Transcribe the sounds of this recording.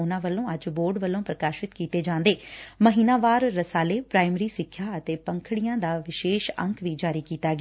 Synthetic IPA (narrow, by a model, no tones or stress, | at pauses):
ʊnãːʋəlːõːəd͡ʒboːɾɖʋəlːõːpɾəkaːʃɪt̪kiːt̪eːd͡ʒãːnd̪eːməɦiːnaːʋaːɾːəsaːleːpɾaːɪmɾiːsɪkʰːjaːət̪eːpəŋkʰɽijãːd̪aːʋɪʃeːʃə̰̃ŋkʰʋiːd͡ʒaːɾiːkiːt̪aːɡea